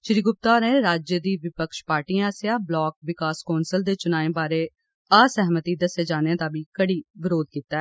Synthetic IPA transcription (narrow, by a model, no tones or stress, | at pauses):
ʃɪɾiːɡʊp̚t̪aːɾeːɾaːd͡ʒjəd̪iːʋɪpəkʃpaːɾʈiːãːsjãːblɔːk̚ʋɪkaːskɔːnsəld̪eːt͡ʃʊnaːẽːbaːɾeː | aːsɛɦmət̪iːd̪əseːd͡ʒaːnejãːd̪aːbiːkəɽiːʋɪɾoːd̪̚kiːt̪ːaː